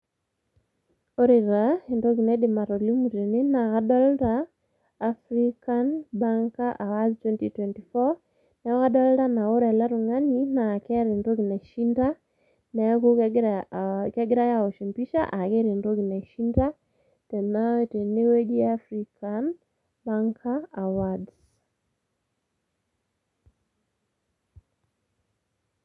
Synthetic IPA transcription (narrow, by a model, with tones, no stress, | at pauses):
o˦ɾe˨ɾa˨e˨ndo˦ki˨nɛ˦dɪ˨ma˨ɾo˨li˦mu˨te˨ne˦na˨ka˦dɔ˦ltaː | fɾi˦kanba˦ŋka˦ʔa˨wa˦ztwɛ˦ntitwɛ˨nti˨fɔ˦ | nɛ˨˦ka˦dɔ˦lɾa˦na˨o˦ɾɛ˨la˦ɾu˨ŋa˦ni˦na˨kɛ˦ɾe˨ndo˦ɡi˨na˨ʃi˦nda˦ | nɛku˦ | kɛ˦ɡɪɾa˦ja˨o˨ʃi˨mpi˦ʃa̰˦ʔa˨ke˦ɾe˨ndo˦ki˨nɛ˨ʃi˦nda | tɛ˨na˦ete˨ne˦we˦ɡi˦afɾikʰan | baŋkʰaawads